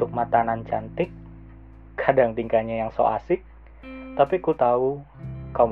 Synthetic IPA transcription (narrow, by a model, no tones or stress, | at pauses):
ʊk̚mat̪anant͡ʃant̪ɪkʰː | adaŋt̪iŋkaɲajaŋso̰a̰sɪk | t̪apikut̪aukam